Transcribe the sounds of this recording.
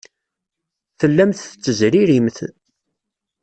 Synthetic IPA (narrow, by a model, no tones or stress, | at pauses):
θəlːæmθət͡sːəzɾiɾimθ